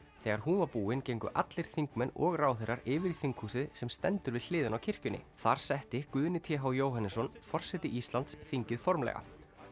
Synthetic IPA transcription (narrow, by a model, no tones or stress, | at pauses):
θɛːɣaɾ̥huːnvapuːɪncejŋkʏ̰ʔa̰t̪lɪɾ̥θiŋkmɛnɔɣraːwθejɾaɾɪːvɪɾiθiŋkhuːsɪðsɛmst̪ɛnt̪ʏɾvɪðl̥ɪːðɪnawcʰɪr̥cʏnːɪ̰θaɾ̥sɛht̪ɪkvʏðnɪt̪ʰjɛːɦawjoːwɦanːɪsɔnfɔr̥sɛt̪ɪʔist̪lant̪sθiɲcɪðfɔɾmlɛ̰ɣa̰